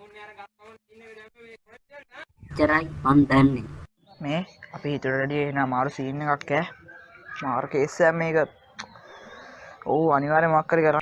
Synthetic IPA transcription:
t͡ʃːɐɾajpand̪ɛnːe | meːɐpiɦit̪uɾɐɾeɖijeɦinaːmaːɾusiːnːekakːɛː | maːɾukeːseamːeːkə | ouɐniʋaːɾemoakːəɾikəɾa

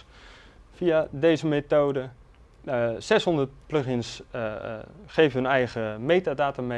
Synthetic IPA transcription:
fiadejzəmetoːdə | sɛsɦondət̚pløxɪns | χeːfənɛjɣəmejtadaːtame

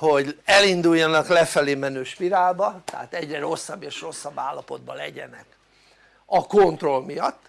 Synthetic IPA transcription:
ho̞ɟɛlind̪ujːɒnɒklɛfɛleːmɛnøːʃpiɾaːlbɒt̪ɛɦat̪ɛɟrɛɾo̞sːɒbːeːʃro̞sːɒbːaːlːɒpo̞d̪̚bɒlɛɟɛ̰nɛk | ɒkont̪ro̞lmijɒt̪ː

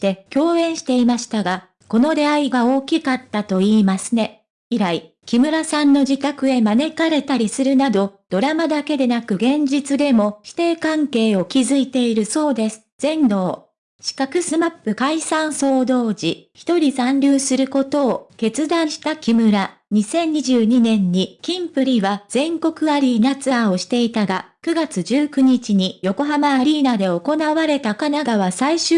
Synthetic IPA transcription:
t̪e̞kʲo̞ːẽ̞ɰ̃ɕi̥t̪e̞imaɕi̥t̪aɡa | ko̞no̞ɾe̞aiɡao̞ːkʲikat̪ːat̪o̞iːmasɨne̞ | iɾai | kʲimɯ̟ɾasãnːo̞d͡ʑit̪akɯ̟e̞mane̞kaɾe̞t̪aɾʲisɨɾɯ̟nad̪o̞d̪̥o̞ɾamad̪ake̞d̪e̞nakɯ̟ɡẽ̞ɲ̟d͡ʑit͡sɨd̪e̞mo̞ɕi̥t̪e̞ːkãŋke̞ːo̞kʲizɨit̪e̞iɾɯ̟so̞ːd̪e̞sɨ̥z̥ẽ̞nɾo̞ː | ɕi̥kakɯ̟sɨmapːɯ̟kaisãɰ̃so̞ːd̪o̞ːd͡ʑiçi̥t̪o̞ɾʲisãnɾʲɯːsɨɾɯ̟ko̞t̪o̞ːke̞t͡sɨd̪ãɰ̃ɕi̥t̪akʲimɯ̟ɾaɲ̟isẽ̞ɲ̟ɲiʑɨːɲ̟inẽ̞ɲ̟ːikʲĩmpɯ̟ɾʲiβaz̥ẽ̞ŋko̞kɯ̟aɾʲiːnat͡sɨao̞ɕi̥t̪e̞it̪aɡakɯ̟ɡat͡sɨʑɨːkɯ̟ɲ̟it͡ɕiɲ̟ijo̞ko̞ɦamaːɾʲiːnad̪e̞o̞ko̞naβaɾe̞t̪akanaɡaβ̞asaiɕɨ

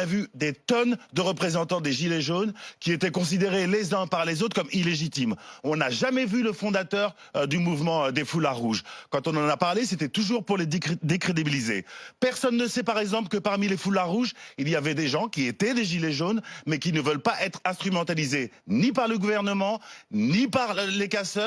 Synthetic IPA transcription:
avyd̪et̪ɔnd̪əʁəpχezɑ̃t̪ɑ̃d̪eʒileʒonkʲiet̪ɛkɔ̃s̬id̪eʁelezɛ̃paʁlezot̪χkɔmileʒit̪imɔ̃naʒamɛvyləfɔ̃d̪at̪œʁ | d̪ymuvmɑ̃d̪efulaʁːuʒkɑ̃t̪ɔ̃nɑ̃napaʁleset̪ɛt̪uʒuʁpuʁled̪ekχed̪ibilizḛpɛʁsɔnːəsɛpaʁɛɡzɑ̃plkəpaʁmilefulaʁːuʒilijavɛd̪eʒɑ̃kʲiet̪ɛd̪eʒileʒonmɛkʲinəvœlpaʔɛt̪χɛ̃st̪χymɑ̃t̪alizenip̬aʁləɡuvɛʁnəmɑ̃nipaʁlekasœ

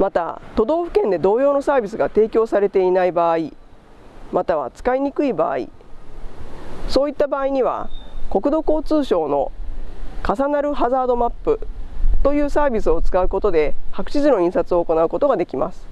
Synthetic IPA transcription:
mat̪a̰t̪o̞d̪o̞ːɸɯ̟kẽ̞nd̪e̞d̪o̞ːjo̞ːno̞saːbʲisɨɡat̪e̞ːkʲo̞ːsaɾe̞t̪e̞inaibaːi | mat̪aβ̞a̰t͡sɨ̥kaiɲ̟ikɯ̟iba̰ːḭ | so̞ːit̪ːabaːiɲ̟iβ̞a̰ko̞kɯ̟d̪o̞ko̞ːt͡sɨːɕo̞ːno̞ | kasanaɾɯ̟ɦazaːd̪o̞mapːɯ̟t̪o̞jɯ̟ːsaːbʲisɨo̞t͡sɨ̥kaɯ̟ko̞t̪o̞d̪e̞hakɯ̟̥ɕizɨno̞ĩɰ̃sat͡sɨo̞ːko̞naɯ̟ko̞t̪o̞ɡad̪e̞kʲima̰sɨ̥

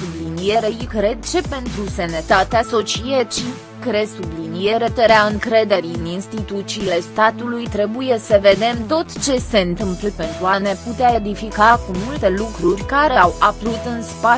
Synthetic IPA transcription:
sublinijeɾeikɾe̞d̪̚t͡ʃepe̞nt̪ɾusenət̪at̪easo̞t͡ʃijet͡ʃi | kɾe̞sublinije̞ɾet̪eɾeaɨŋkɾe̞d̪e̞ɾiɨninst̪it̪ut̪siːle̞st̪at̪ulujt̪ɾe̞buje̞səve̞d̪e̞mt̪o̞t̪t͡ʃe̞se̞ɨnt̪ɨmplpe̞nt̪ɾuane̞put̪eaed̪ifikakumult̪e̞lukɾurʲkaɾe̞awapɾut̪ɨnspa

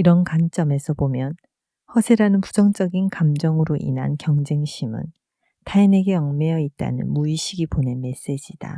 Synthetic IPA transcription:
iɾʌnkant͡ɕ͈ʌme̞sʰʌpomjʌn | hʌsʰeɾanɯnpud͡ʑʌŋt͡ɕ͈ʌɡinkamd͡ʑʌŋɯɾoʔḭnɦa̰nkjʌŋd͡ʑe̞ŋɕʰimɯ̰n | tʰaine̞ɡe̞ʌŋmejʌit̚t͈a̰nɯ̰nmuiɕʰiɡiponenme̞s͈e̞d͡ʑid̥a̰

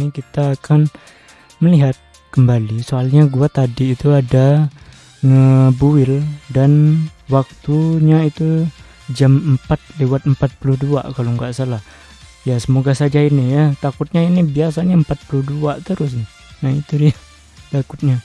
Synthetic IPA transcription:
ikit̪aːkʰan | məliɦat̪̚ | kəmbalisoalɲaɡuat̪adiːt̪uada | ŋəbuɪldanwak̚t̪uɲait̪u | d͡ʒaməmpat̪̚lewat̪̚əmpat̪̚puluhdua̰kaloŋɡaʔsalah | jasəmoɡasad͡ʒainɪjat̪akʊt̪̚ɲainɪhbiasaɲaəmpat̪̚puluhduat̪əɾʊs̬nɪ | nahit̪ua | t̪akʊt̪̚ɲa

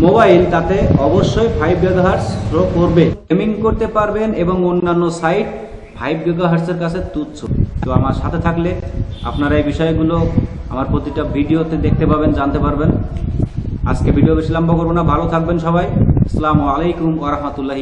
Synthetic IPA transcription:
mobailt̪at̪eɔboʃːoebʱajb̚ɡeɡaɦaɾsɾokoɾbekemiŋkoɾt̪epaɾbeneboŋonːanːosajʈ̚ | bʰʱajb̚ɡeɡaɦaɾseɾkat͡ɕʰet̪ut̪t͡ɕʰot̪oamaɾʃat̪ʰet̪ʰaklea̰pnaɾaejbiʃɔeɡuloa̰maɾpɾot̪iʈabʱiɖiot̪ed̪ek̚ʰt̪epabend͡ʑant̪epaɾben | a̰d͡ʑkebʱiɖijobeʃilambokoɾbonabʱalot̪ʰak̚benʃɔbajsalamualejkumwaɾaɦmat̪ulːaɦi

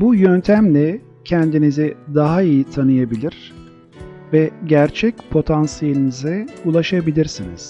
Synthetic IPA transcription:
bujønt̪ʰæmlʲɛ | cʰɛnd̪inizɪd̪aɦaijit̪ʰanɯjabilʲiɾ̥ | vɛɟæɾt͡ʃʰɛc̚pʰo̞t̪ʰansijelʲinizɛulˠaʃabilʲiɾsinḭz̥

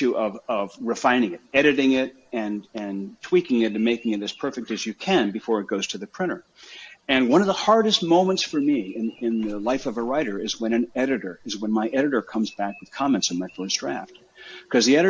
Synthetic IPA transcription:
ʉʔʌvʌvɹɨfãɪ̃nɪ̃ŋɨɾɛɾɨɾɪ̃ŋɪɾ | ɨ̃nɨ̃ntʰw̥ikɪ̃ŋɨɾɨ̃nmeɪkɪ̃ŋɨɾɨz̥pʰɜ˞fɨk̚tɨzjɨkʰɨ̃nbɨfɔɹɨt̚ɡ̥oʊz̥tʰɨðɨpʰɹ̥ɪ̃ñə˞ | ɨ̃nwʌ̃ñʌvðəhɑɹɾɨst̚mõʊ̃mə̃ntsfə˞miɪ̃nɪ̃nðɨlaɪfʌvəɹaɪɾə˞ɨzwə̃ñɨ̃nɛɾɨɾə˞ɨzwə̃nmaɪʔɛɾɨɾə˞kʰʌ̃mzbækwɨð̥kʰɑmɛ̃ntsn̩maɪkosd̥ɹæft̚ | kʰʌzðiɛɾɨ

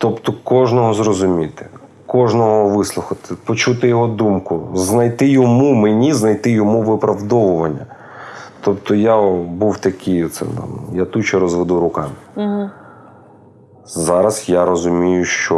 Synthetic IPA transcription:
t̪ɔpt̪ɔkɔʒnɔɦɔzrɔzʊmʲit̪ɪ̥ | kɔʒnɔɦɔʋɪslˠʊxɐt̪ɪpɔt͡ʃut̪ɪjɔɦɔd̪umkʊznɐjt̪ɪjɔmumenʲiznɐjt̪ɪjɔmuʋɪpɾɐwd̪ɔʋʊʋɐnʲːɐ | t̪ɔpt̪ɔjabuwt̪ɐkʲɪjɔt̪sɛ̰t̪ɑ̰mjat̪ut͡ʃɐɾɔzʋed̪uɾʊkɑmɪ | zɑɾɐsjaɾɔzʊmʲijʊʃt͡ʃɔ

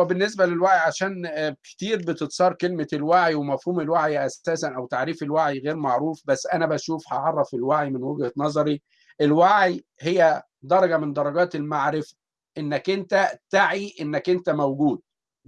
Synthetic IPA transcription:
benːes̬bælelwaʕjʕaʃæːnke̥t̪iːɾbet̪et̪sˤɑːɾˤkelmelwaʕiwemæfhuːmelwaʕjʔæsːæːsænʔæwt̪aʕɾiːfelwaʕiɣeːɾmaʕɾuːfbæsːʔænæbæʃuːfhɑʕɑrˤːɑfelwaʕimenweɡhænɑzˤɑɾi | ʔelwaʕij | hejːæ | d̪ɑɾˤɑɡæmend̪ˤɑɾˤɑɡæːt̪elmaʕɾefæ̥ | ʔenːækʔent̪æt̪aʕiʔenːækʔent̪æmæwɡuːd̪̥̚

